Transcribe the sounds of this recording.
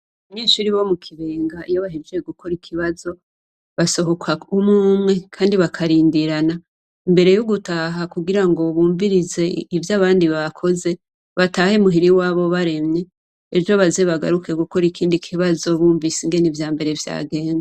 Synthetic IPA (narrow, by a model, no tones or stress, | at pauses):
umɲiːʃuɾiwo̞mukʰiβeːŋɡaijoβaɦed͡ʒeeɡukʰo̞ɾikʰiβazo̞ | βaso̞ɦo̞kʰaumuːmŋe̞kʰaːndiβakʰaɾiːndiɾana | imbe̞ɾe̞joɡutaɦakuɡiɾaŋɡo̞βuːɱviɾize̞ivjaːβaːndiβakʰo̞ze̞ | βatahemuɦiɾiwaːβo̞βaɾe̞mɲe̞ː | vjoβazeβaɡa̰ɾuke̞ɡuko̞ɾikʰiːndikʰiβazo̞βuːɱvisiŋɡe̞nivjaːmbe̞ɾe̞vja̰ːɡe̞ːŋa